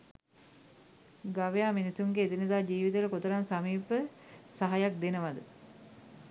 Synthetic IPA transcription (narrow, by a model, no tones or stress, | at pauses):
ɡaʋəjaːminisuŋɡeːt̪inid̪aːd͡ʒiːʋit̪ələkot̪əɾansamiːpəsaɦajak̚d̪enəʋad̪ə